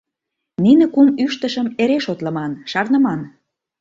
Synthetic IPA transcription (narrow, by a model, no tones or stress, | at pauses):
ninĕkumyʃt̪əʃəmeɾeʃot̪lə̆mɑnʃɑrnə̆mɑn